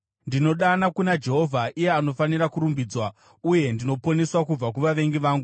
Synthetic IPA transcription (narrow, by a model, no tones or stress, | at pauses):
ndino̞ɗanakunad͡ʒe̞ɦo̞vʱaʔijeano̞fanirakuɾumbiːd͡zwa | uje̞ndino̞po̞ne̞swakub͡vak̬uʋaʋe̞ŋɡiʋaːŋɡu